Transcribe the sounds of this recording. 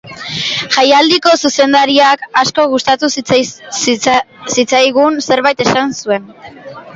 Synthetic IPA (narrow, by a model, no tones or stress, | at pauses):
ʝajald̪iko̞suse̞nd̪aɾiakasko̞ɣ̞ust̪at̪us | sit͡sajɣunse̞ɾβajt̪e̞sansue̞n